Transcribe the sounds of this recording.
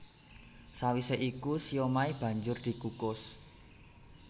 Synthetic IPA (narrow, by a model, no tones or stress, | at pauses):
sawiseʔikusijomaib̥ä̤ɲd͡ʒʊrd̪̥i̤kukʊs